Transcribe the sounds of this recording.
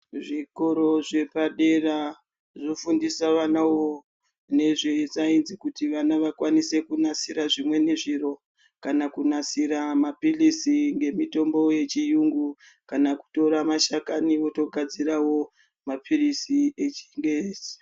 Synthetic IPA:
ʐiko̞ɾo̞ʐe̞paɗe̞ra | ʐofundisaʋanawo | ne̞ʐet͡sainzikutiʋanaʋakwanise̞kunasiɾaʐimwe̞neʐiro̞ | kanakunasiɾamapirisiŋɡe̞mito̞mbo̞je̞t͡ʃijuŋɡu | kanaku̥to̞ɾamaʃakaniʋo̞to̞ɡʱad͡ziɾawo̞ | mapʰirisie̞t͡ʃiŋɡeresi̥

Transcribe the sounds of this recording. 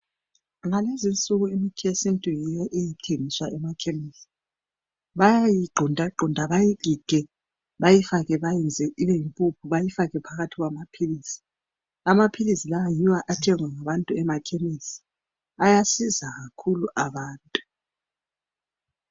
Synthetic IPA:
ŋalezint͡sʼuɣuimikʰiesintʼujɛjɛʔejitʰeŋiswaʔɛmakʰemisi̥ | βajajiɡ͡ǃʱɔndʱaɡ͡ǃʱɔndʱaβajiɡ̥ʱiɡ̥ʱɛ | βajifaɣɛβajɛnd͡zʱɛʔiβɛjimpʼupʰuβajifaɣɛpʰaɣatʰiɣwamapʰilisi̥ | amapʰilisilawajiwaʔatʰɛŋwaŋaβantʼuɛmakʰemisi̥ | ajasizaɣakʰuluʔaβaːntʼu

